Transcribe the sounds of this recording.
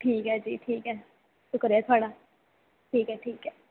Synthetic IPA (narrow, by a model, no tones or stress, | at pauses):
ʈʰiːkɦɛːd͡ʒḭːʈʰiːkɦɛː | sʊkəɾet̪ʰaːɽa | ʈʰiːkɦɛʈʰiːkɦɛː